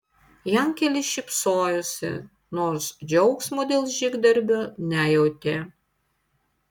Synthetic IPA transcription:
jæmkʲɛlʲɪʃʲɪpsoːjʊsʲɪ̰ | noːɾsd͡ʒʲɔʊksmoːd̪ʲeːlˠʒʲɪɡd̪ɐɾʲbʲʊnʲæjɛʊt̪ʲeː

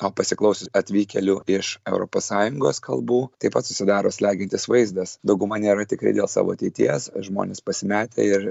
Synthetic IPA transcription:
oːpɐsʲɪklˠɐʊsʲʊɐt̪ʲʋʲiːkʲɛlʲuːɪʃɛʊɾo̰ːpoːssɑːjʊŋɡo̰ːskɐlˠbuːt̪ɐɪpɐt̪sʊsʲɪd̪ɑːɾoːsʲlʲæːɡʲɪnt̪ʲɪsʋɐɪzd̪ɐsd̪ɐʊɡʊmɐnʲeːɾɐt̪ʲɪkɾɐ̰ɪd̪ʲeːlˠsɑ̰ːʋo̰ːɐt̪ʲɛɪt̪ʲḭɛsʒmo̰ːnʲeːspɐsʲɪmʲæːt̪ʲḛɪɾ

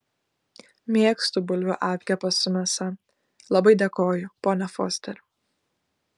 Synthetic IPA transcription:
mʲiɛkst̪ʊbʊlʲʋʲʊʔɑːpʲkʲɛpɐsʊmʲɛsɐ | lˠɐbɐɪd̪ʲeːkoːjʊpoːnʲɛfo̰ːsʲt̪ʲɛɾʲ

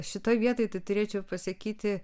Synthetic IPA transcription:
ʃʲɪt̪oːjʋʲiɛt̪oːjt̪ɐɪt̪ʊɾʲeːt͡ʃʲɛʊpɐsɐkʲiːt̪ʲɪ

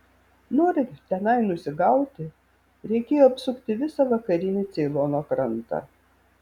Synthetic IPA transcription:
noːɾʲɪt̪ʲɛnɐɪnʊsʲɪɡɐʊt̪ʲɪ | ɾʲɛɪkʲeːjoːɐpsʊkt̪ʲɪʋʲɪsɐʋɐkɐɾʲɪnʲɪt̪sʲɛɪlˠoːnoːkɾɐnt̪ɑ̰

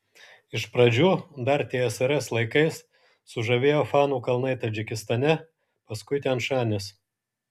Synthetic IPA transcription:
ɪʃpɾɐd͡ʒʲuːd̪ɐɾt̪ʲeɛɛsɐɾɛslˠɐɪkɐɪsː | ʊʒɐʋʲeːjoːfɑːnuːkɐlˠnɐɪt̪ɐd͡ʒʲɪkʲɪst̪ɐnʲɛ | pɐskʊɪt̪ʲɛnʃɑːnʲɪs

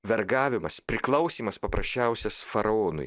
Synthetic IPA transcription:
ʋʲɛɾɡɑːʋʲɪmɐspʲɾʲɪklˠɐʊsʲiːmɐspɐpɾɐsʲt͡ʃʲæˑʊsʲɛsfɐɾɐoːnʊ̰ɪ

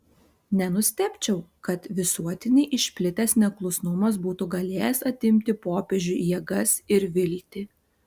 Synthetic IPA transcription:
nʲɛnʊsʲt̪ʲɛpʲt͡ʃʲɛʊkɐt̪ʋʲɪsuɔt̪ʲɪnʲɪʔɪʃʲpʲlʲɪt̪ʲɛsnʲɛklˠʊsnʊmɐsbuːt̪uɡɐlʲeːjɛsɐt̪ʲɪmʲt̪ʲɪpoːpʲeʒʲʊjiɛɡɐsɪɾʋʲɪlʲːt̪ʲɪ

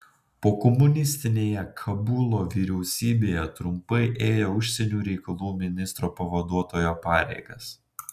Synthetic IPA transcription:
poːkɔmʊnʲɪsʲt̪ʲɪnʲeːjɛkʰɐbʊlˠoːʋʲiːɾʲɛʊsʲiːbʲeːjɛt̪ɾʊmpɐɪʔeːjoːʊʃʲsʲɛnʲuːɾʲɛɪkɐlˠuːmʲɪnʲɪst̪ɾoːpɐʋɐd̪uɔt̪oːjoːpɑːɾʲɛ̰ɪɡɐs

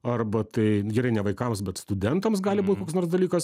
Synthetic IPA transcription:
ɐrbɐt̪ɐɪɡʲɛɾɐɪnʲɛʋɐɪkɐmsbʲɛt̪st̪ʊd̪ʲɛnt̪ɐms̬ɡɑːlʲɪbuːt̪ʲkoːksnoːrsd̪ɐlʲiːkɐs

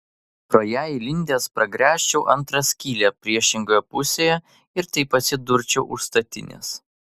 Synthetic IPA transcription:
pɾoːjæːjɪlʲɪnʲd̪ʲeːspɾɐɡɾʲæːʃʲt͡ʃʲɛʊʔɐnt̪ɾɐsʲkʲiːlʲeːpʲɾʲiɛʃʲɪŋɡoːjɛpʊsʲeːjɛ | ɪɾt̪ɐɪpɐt̪sʲɪd̪ʊɾʲt͡ʃʲɛʊʔʊʃst̪ɐt̪ʲɪ̰nʲḛːs

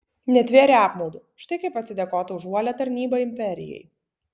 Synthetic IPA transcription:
nʲɛt̪ʲʋʲeɛɾʲɛɑːpmɐʊd̪u | ʃt̪ɐɪkɐɪpɐt̪sʲɪd̪ʲɛkoːt̪ɐʊʒuɔlʲɛt̪ɐɾʲnʲiːbɐɪmʲpʲɛɾʲɪ̰jɛ̰j

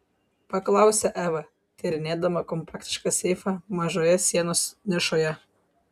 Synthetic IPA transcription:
pɐklˠɑˑʊsʲɛʔæːʋɐ | t̪ʲɛɾʲɪnʲeːd̪ɐmɐkɔmpɑːkt̪ʲɪ̥ʃkɑsʲɛɪfɑmɐʒoːjɛsʲiɛnoːsnʲɪʃoːjɛ

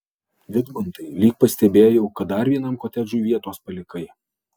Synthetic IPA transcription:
ʋʲɪd̪bʊnt̪ɐɪlʲiːk̚pɐsʲt̪ʲɛbʲeːjoʊkɐt̪̚d̪ɐɾʋʲiɛnɐmkoːt̪ʲɛd͡ʒuːʋʲiɛt̪oːspɐlʲɪkɐɪ

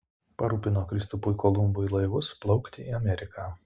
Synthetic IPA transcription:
pɐɾuːpʲɪnoːkɾʲɪst̪ʊpʊjkoːlˠʊmbʊilˠɐɪʋʊsplˠɒʊkt̪ʲɪiːɐmʲɛɾʲɪkaː

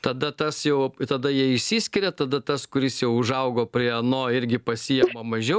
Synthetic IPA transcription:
t̪ɐd̪ɐt̪ɐsjɛʊt̪ɐd̪ɐjiɛɪʃʲsʲiːsʲkʲɪɾʲɛt̪ɐd̪ɐt̪ɐskʊɾʲɪsjɛʊʊʒɐʊɡoːpʲɾʲiɛɐnoːɪɾʲɡʲɪpɐsʲijɛmɐmɐʒʲɛʊ

